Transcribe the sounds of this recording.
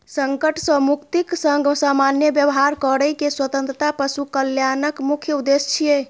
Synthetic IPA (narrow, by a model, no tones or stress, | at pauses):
səŋkəʈʰsə̃mukt̪iksəŋɡsamanjəbjəbɦaɾkəɾəjkeswət̪ə̃nt̪ɾət̪apəsukəljanəkmukʰjəud̪est͡ʃʰije